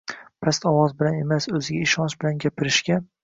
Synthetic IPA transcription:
pʰast̪ɒwɒzbɪlanemasɵzɪɡʲaɪʃɒnʃbɪlanɡʲapʰɪɾɪʃkʲa

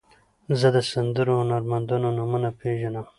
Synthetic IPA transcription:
zəd̪əsand̪əɾohʊnaɾmand̪ononumunapʰeʒanəm

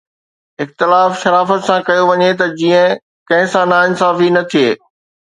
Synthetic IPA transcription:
ɪxt̪ɪlaːfʃɐɾaːfət̪sãkɐjoʋɐɲet̪ɐd͡ʑiːə̃ | kɐ̃ɦɪ̃sãnaːɪ̃nsaːfinɐt̪ʰijeː

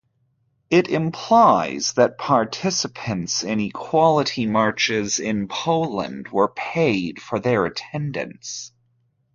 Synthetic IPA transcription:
ɪɾɪ̃mpʰl̥aɪzðɨt̚pʰɑɹtʰɪsɨpʰɨ̃ntsɪ̃nikʰw̥ɑlˠəɾimɑɹt͡ʃɪzɪ̃npʰoʊlˠə̰̃nd̚wə˞pʰeɪd̥fə˞ðə˞ɨtʰɛ̃ndɨ̰̃nts

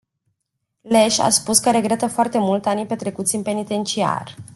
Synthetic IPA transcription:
le̞ʃa̰spuskəɾe̞ɡɾe̞t̪əfoart̪e̞mult̪anijpe̞t̪ɾe̞kut̪sʲɨnpe̞nit̪e̞nt͡ʃia̰r

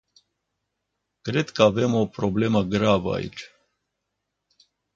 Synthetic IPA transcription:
kɾed̪kəavemo̞pɾoble̞məɡɾavəa̰ḭt͡ʃʲ

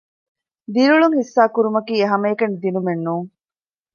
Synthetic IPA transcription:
d̪iɾuɭuŋhisːaːkuɾumɐkiːeɦɐmɐːkɐnd̪inumenːuːŋ

